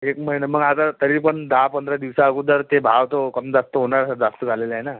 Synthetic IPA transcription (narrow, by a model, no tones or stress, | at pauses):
ekməɦineməɡat̪at̪əɾiːpəɳd̪apənd̪ɾad̪iʋsaəɡud̪əɾt̪ebʱaʋt̪okəmd͡zast̪əɦoɳaɾəd͡zast̪əd͡zʱaleləɦena